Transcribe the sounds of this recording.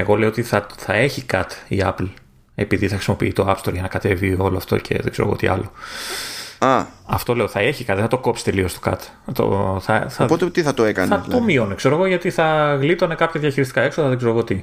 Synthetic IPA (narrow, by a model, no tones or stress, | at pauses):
eɣo̞leoot̪iθɐθɐe̞çikɐt̪ḭɐpl | e̞piðiθɐxɾisimo̞piit̪o̞ɐpst̪o̞ɾʝɐnɐkɐt̪e̞vio̞loɐft̪o̰cʰe̞̰ðeɡz̥e̞ɾoɣo̰t̪ḭɐ̰lo | ɐɐft̪o̞le̞oθɐe̞çikɐt̪ðeθɐt̪oko̞psi̥t̪e̞liost̪o̥kɐ̰t̪ | t̪o̰θɐ̰θɐpot̪et̪iθɐt̪oekɐ̰nɐomionekse̞ɾo̞ɣo̞ʝɐt̪iθɐɣlit̪o̞ne̞kɐpçɐðjɐçiɾist̪i̥kɐekso̞ðɐðeɡze̞ɾoɣo̞t̪i